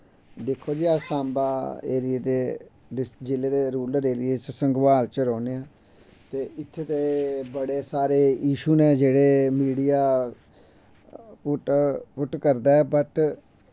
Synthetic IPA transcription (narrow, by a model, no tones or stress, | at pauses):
d̪ekʰːoːd͡ʒiːaːsãːmbaːḛːɾieːd̪eː | ɾɪd͡ʒɪleːd̪eːɾuːləɾeːɾieːt͡ʃsəŋɡʋaːlt͡ʃɾɔːneːãː | t̪eːɪt̪ʰːeːt̪eːbəɽeːsaːɾeːiːʃuːnẽːd͡ʒeːɽeːmiːɽijaː | pʈpʊʈkəɾd̪aːɛːbəʈ